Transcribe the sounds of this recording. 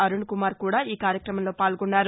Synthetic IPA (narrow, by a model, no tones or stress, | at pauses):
ɐɾuɳkumaːɾkuːɽaːiːkaːɾjɐkɾɐmɐmlo̞ːpaːlɡunːaːɾu